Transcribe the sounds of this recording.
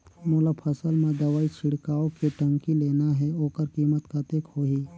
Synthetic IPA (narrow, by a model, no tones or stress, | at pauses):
moːlapʰəsəlmẽd̪ɐʋaːit͡ʃʰɪɽ̤kaːokeʈə̃ŋkileːnaɦɛoːkəɾkiːmət̪kat̪eːkhoːɦiː